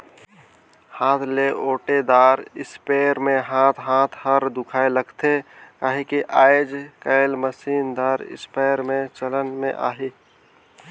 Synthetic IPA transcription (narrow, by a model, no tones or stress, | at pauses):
haːt̪ʰleʔoːʈed̪aːɾɪspeːɾmẽɦaːt̪ʰɦaːt̪ʰɦəɾd̪ʊkʰaːeləɡt̪ʰekaːɦikiʔaːɪd͡ʒkəɪlməsiːnd̪aːɾɪ̰speːɾmẽt͡ʃələnmḛ̃ʔa̰ːɦiː